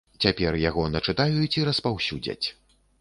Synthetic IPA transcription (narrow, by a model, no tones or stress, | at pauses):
t͡sʲapʲɛrjaɣɔnɐt͡ʂɨt̪ajut͡sʲiɾɐspawsʲud͡zʲɐ̰t͡sʲ